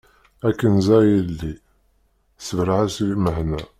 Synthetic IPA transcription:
ækːənzæjəlːi | səvɾʕæsiməhnæ

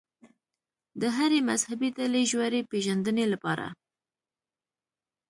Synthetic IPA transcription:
d̪əɦaɾemazhabit̪aleʒwaɾepeʒand̪ənelapɑ̰ɾa̰

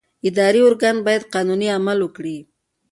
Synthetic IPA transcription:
ɪd̪ɑɾiʊɾɡand̪̚bɑjad̪̚qɑnuniamalwəkɽi

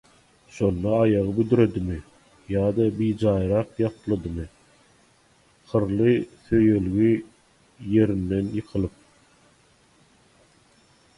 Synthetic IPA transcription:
ʃo̞nd̪ɑɑjɑʁɯbyd̪yɾe̞d̪imi | jɑːd̪ɑbiːd͡ʒɑːjɾɑqjɑq̪lˠɑd̪ɯmɯ | χɯɾlˠɯθø̞jølɡi | je̞ɾind̪e̞njɯqʰɯlˠɯp̚

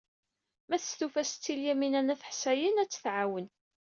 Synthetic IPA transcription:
mæθəst̪ufæst͡sːiljæminænæθə̥ħsæjənæt͡sːθʕawən

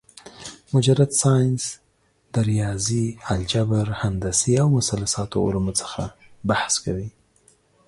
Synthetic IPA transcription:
mʊd͡ʒaɾat̪sɑjns | d̪̥aɾijɑziald͡ʒabaɾhand̪asiawmʊsalasɑt̪o̰ʊ̰lmot͡sə̥xa̰ | bahskawi

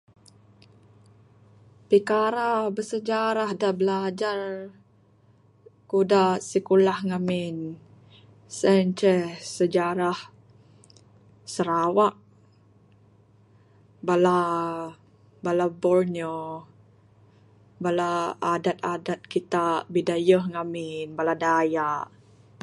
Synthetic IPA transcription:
pikaɾabəsəd͡ʒaɾahdabəlad͡ʒar | kudasikulahŋamɪn | sɛnt͡ʃɛsəd͡ʒaɾah | səɾawaʔ | bala | balabɔrnio | balaːdat̪̚adat̪̚kit̪abidajəhŋamɪnbaladajaʔ

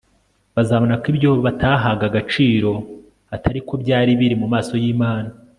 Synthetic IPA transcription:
βazaβonakibjo̞ːββatʰaːɦaɡaɡat͡ʃiːɾo̞ | atʰaɾikʰo̞bɟaːɾiβiɾimumaːso̞jiːmaːna

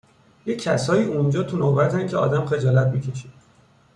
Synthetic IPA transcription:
jecʰːæsɒːiːund͡ʒɒːt̪ʰunobæt̪ʰæncʰeɒ̰ːd̪æmxe̞d͡ʒɒːlæt̪̚biːcʰe̞ʃi̥d̪̥

